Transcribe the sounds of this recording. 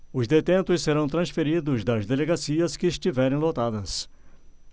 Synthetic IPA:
ʊzd̪et̪ẽnt̪ʊsseɾɐ̃w̃t̪ɾɐ̃sfeɾid̪ʊzd̪ɐzd̪eleɡasiɐskɪːst͡ʃivɛɾẽj̃lot̪ad̪ɐs

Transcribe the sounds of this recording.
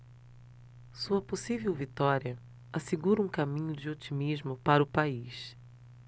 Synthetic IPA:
suɐposivewvit̪ɔɾiɐ | aseɡuɾɐũkamĩɲʊd͡ʒɪot͡ʃimizmʊpaɾɐʊpais

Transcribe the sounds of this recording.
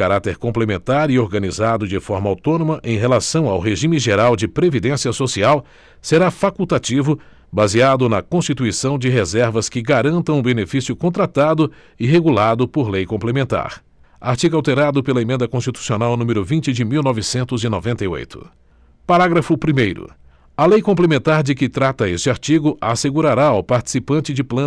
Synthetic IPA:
kaɾat̪eɾkõmplemẽnt̪aɾioɾɡɐnizad̪ʊd͡ʒɪfɔɾmɐa̰wt̪õnõmɐʔẽj̃ɦelasɐ̃w̃awɦeʒĩmɪʒeɾawd͡ʒɪpɾevid̪ẽsiɐsosiaw | seɾafakuwt̪at͡ʃivʊ | baziad̪ʊnɐkõst͡ʃit̪uisɐ̃w̃d͡ʒɪɦezɛɾvɐskɪɡaɾɐ̃nt̪ɐ̃w̃ũbenefisiʊkõnt̪ɾat̪ad̪ʊ | ɪɦeɡulad̪ʊpoɾlejkõplemẽnt̪a̰ɾ | aɾt͡ʃiɡʊawt̪eɾad̪ʊpelɐemẽnd̪ɐkõst͡ʃit̪u̥sionawnũmeɾʊvĩt͡ʃɪd͡ʒɪmiwnɔvɪsẽnt̪ʊzinɔvẽnt̪ɐjo̰jt̪ʊ̥̰ | paɾaɡɾɐfʊpɾimejɾʊ̰ | ɐlejkõp̬lemẽnt̪aɾd͡ʒɪkɪt̪ɾat̪ɐest͡ʃɪaɾt͡ʃiɡʊʔaseɡuɾaɾaawpaɾt͡ʃi̥sipɐ̃nt͡ʃɪd͡ʒɪplɐ̃

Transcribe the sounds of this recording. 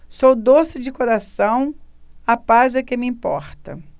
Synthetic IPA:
sowd̪osɪd͡ʒɪkoɾasɐ̃w̃apazɐkẽmɪĩpɔ̰ɾt̪ɐ̰

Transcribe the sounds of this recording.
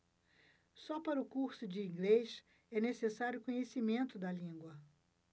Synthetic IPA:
sɔpaɾʊkuɾsʊd͡ʒɪĩɡlejʃ | ɛnesesaɾjʊkõɲesimẽnt̪ʊd̪ɐlĩŋɡwɐ

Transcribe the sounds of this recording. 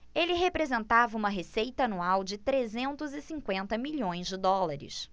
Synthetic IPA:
elɪɦepɾezẽnt̪avɐũmɐɦesejt̪ɐanuawd͡ʒɪt̪ɾezẽnt̪ʊzɪsĩŋkwẽnt̪ɐmiʎõj̃zd͡ʒɪd̪ɔlaɾɪ̰s

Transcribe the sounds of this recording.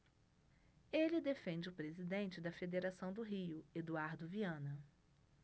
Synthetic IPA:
elɪd̪efẽnd͡ʒɪʊpɾezid̪ẽnt͡ʃɪd̪ɐfed̪eɾasɐ̃w̃d̪ʊɦijʊed̪uaɾd̪ʊviɐ̃nɐ

